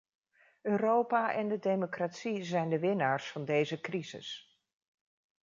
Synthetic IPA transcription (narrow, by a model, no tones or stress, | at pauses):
øːrowpaːʔɛndədejmokratsizɛjndəʋɪnaːɹsfɑndejzəkrizɪ̰s